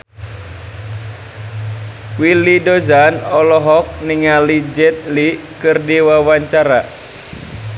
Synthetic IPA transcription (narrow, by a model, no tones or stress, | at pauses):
wilidɔzanɔlɔɦɔk̚niŋalid͡ʒɛt̪̚likɨrdiwawaɲt͡ʃaɾa